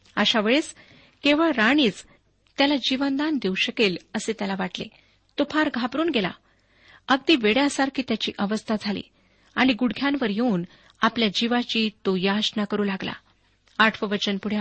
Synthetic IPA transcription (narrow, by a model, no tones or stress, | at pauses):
əɕaʋeɭet͡s | keʋəɭɾaɽ̃iːt͡s | t̪jalad͡ʑiʋənd̪and̪euɕəkeləset̪jalaʋaʈlḛ | t̪opʰaɾɡʱapɾuːnɡela̰ | əɡd̪iːʋeɽjasaɾkʰiːt̪jat͡ɕiːʔəʋəst̪ʰad͡zʱalḭː | aɽ̃iɡuɽɡʱjãnʋəɾjeuːn | apljad͡ʑiʋat͡ɕiːt̪ojaɕnakəɾuːlaɡla̰ | aʈʰʋəʋət͡ɕənpuɽ̤ja